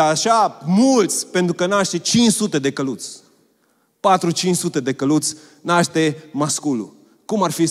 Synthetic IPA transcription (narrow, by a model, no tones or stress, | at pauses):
aʃamult̪sʲpe̞nt̪ɾukənaʃt̪e̞t͡ʃint͡ʃsut̪e̞d̪e̞kəlut̪sʲ | pat̪ɾut͡ʃint͡ʃsut̪e̞d̪e̞kəlut̪sʲ | naʃt̪emaskulṵ | kumarfi